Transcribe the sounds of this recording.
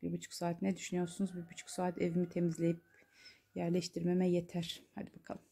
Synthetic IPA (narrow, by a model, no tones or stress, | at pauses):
biɾbut͡ʃʰu̥ksaːt̪ʰnɛd̪yʃynyjo̞ɾsunuzbiɾbut͡ʃʰu̥ksaːat̪ʰevimit̪ʰemizlʲe̞jip̚ | jæɾlʲɛʃt̪ʰiɾmemɛjet̪ʰæɾ̥ha̰d̪ibakʰa̰lˠɯm